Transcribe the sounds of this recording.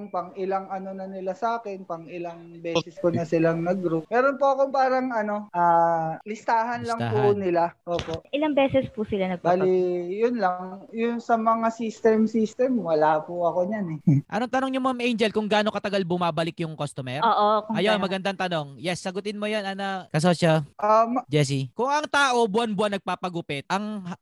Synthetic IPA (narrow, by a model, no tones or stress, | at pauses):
ŋpɐŋɪlaŋɐno̞nɐnɪlasɐaːkɛnpɐŋɪlaŋbɛːsɛsponɐsɪlaŋnɐɡɾup̚mɛːɾonpoɐkoŋpaːɾɐŋʔɐno̞ʔaːlɪst̪aːɦɐnlɐŋpʊnɪlaʔoːpoʔʔɪlaŋbɛːsɛspʊsɪlanɐɡ̚baːlijʊnlaŋjʊnsɐmɐŋasist̪ɛmsist̪ɛmwɐlaːpʊɐkoɲanɛʔɐ̰noŋt̪ɐnoŋɲʊmamʔejnd͡ʒɛlkʊŋɡaːnokɐt̪ɐɡalbʊmaːbɐlɪkjʊŋkost̪omɛɾoːʔokʔɐjomɐɡɐnd̪aŋt̪ɐno̞ŋjɛsːɐɡʊt̪ɪnmojonʔɐnɐkɐs̬oːsoʔamd͡ʒɛs̬ikʊŋɐŋt̪aːʔo̞bʊanbwanːɐɡ̚paːpɐɡʊpɛt̪̚ʔɐŋ